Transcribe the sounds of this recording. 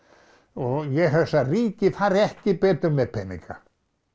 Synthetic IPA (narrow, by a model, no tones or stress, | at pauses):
ɔjɛɛsariːcɪfaɾɛhcɪpɛːt̪ʏmːɛðpʰɛnːḭ̃ŋka̰